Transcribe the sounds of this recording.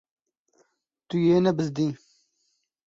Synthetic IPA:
t̪ujeːnɐbɨzd̪ĩː

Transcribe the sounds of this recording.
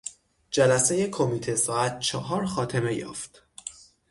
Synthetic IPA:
d͡ʒælæse̞je̞kʰo̞miːt̪ʰesɒːæt̪̚t͡ʃʰɒːɦɒːɾxɒːt̪ʰe̞me̞jɒ̰ːft̪

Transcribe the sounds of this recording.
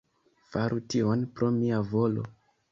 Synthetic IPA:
faɾutio̞npɾo̞miavo̞lo̰

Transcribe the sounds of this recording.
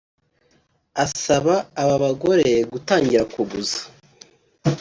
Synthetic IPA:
asaβaːβaβaɡo̞ɾe̞ɡutaːɲɟiɾakuɡuzḁ

